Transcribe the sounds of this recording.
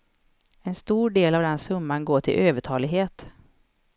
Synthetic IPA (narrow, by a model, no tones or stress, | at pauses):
ɛnst̪uːɖeːlavd̪ɛnsɵmːanɡoːʈʰɪ̰lʔøːvəʈʰɑːlɪɡɦeːt̪